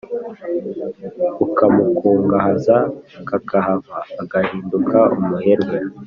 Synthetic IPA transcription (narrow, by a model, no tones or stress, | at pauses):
ukamukʰuːŋɡahazakakʰahaβaːɡahiːndukʰaumuheɾɡwe